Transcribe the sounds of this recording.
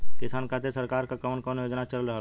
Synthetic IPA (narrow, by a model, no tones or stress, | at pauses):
kɪsaːnkʰat̪esəɾkaːɾkakɐmənkɔːnjoːd͡ʒnat͡ʃələlɾəɦa